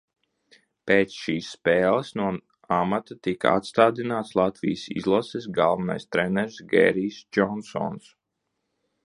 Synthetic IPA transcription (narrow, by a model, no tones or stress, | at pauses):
peːt̪sʃiːsːpeːlˠəsnuɔ | amat̪at̪ika̰a̰t̪st̪aːd̪inaːt̪slˠat̪vʲḭjsḭzlˠɔsis̬ɡalˠvana̰jst̪ɾɛnɛɾsɡɛ̰ːɾiːsd͡ʒɔnsɔ̰ns